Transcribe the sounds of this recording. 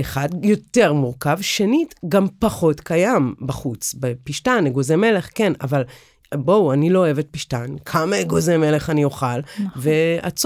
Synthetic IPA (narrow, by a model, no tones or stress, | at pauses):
eχadjo̞te̞ʁmuʁkavʃenitɡampaχo̞tkajambaχut͡sbepiʃtaneɡozeme̞le̞χkena̰val | bowanilo̞oe̞vet̚piʃtankʰamaeɡozeme̞le̞χanijo̞χalvea̰t͡s